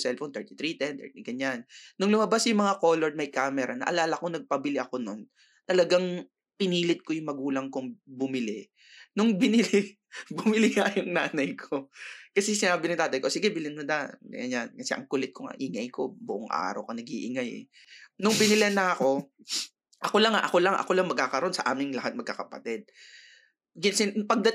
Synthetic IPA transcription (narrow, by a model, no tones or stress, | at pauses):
sɛlfont̪ɛɹt̪it̪ɾit̪ɛnt̪ɛ̰ɹt̪iɡɐɲːannʊŋlʊmɐbasjʊŋmɐŋakoːloɹd̪̚mɐjkaːmɛɾɐnɐ̰ʔɐ̰laːlɐkonɐɡ̚pɐbɪlɪʔɐko̞non | t̪ɐlɐɡaŋ | pɪniːlɪt̪̚kojʊŋmɐɡuːlɐŋkʊŋbʊmɪlɪ | nʊŋbɪnɪlɪ | bʊmɪlɪŋɐjʊŋnaːnɐjkʰokɐsɛsɪnaːbɪnɐŋt̪aːt̪ɐjko̞sɪɡɛbɪlɪnmʊd̪a̰jɐ̰ɲankɐsɛ̰ʔɐ̰ŋkʊlɛt̪̚kʰoŋa̰ʔɪŋɐjko̞bʊʔoŋʔa̰ːɾɐ̰wkɐnɐɡiːʔɪŋajɛ̰ | nʊŋbɪnɪlɛnɐɐko̞ | ʔɐko̞lɐŋaʔɐko̞lɐŋʔɐ̰ko̞lɐŋmɐɡ̚kːaːkɐɾo̞nsɐʔaːmɪŋlɐhat̪̚mɐɡ̚kːakɐpɐ̰t̪ɛd̪̚ | ɡɪnsɪnpɐɡ̚d̪ɐ